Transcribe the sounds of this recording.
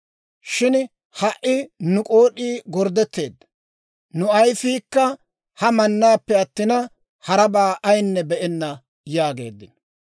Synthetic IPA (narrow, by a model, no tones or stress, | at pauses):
ʃɪn | hɐʔɪnʊkʼo̞ːɗiːɡɔɾd̪ɛt̪ːe̞ːd̪ːɐ | nʊɐjsiːkːɐ | hɐmɐnːaːpːɛɐt̪ːɪnɐ | hɐɾɐbaːʔɐjnːɛbɛʔɛnːɐ | jaːɡe̞̰ːd̪ːɪn